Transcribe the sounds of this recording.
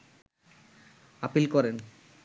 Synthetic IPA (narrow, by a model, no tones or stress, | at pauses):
apilkɔɾen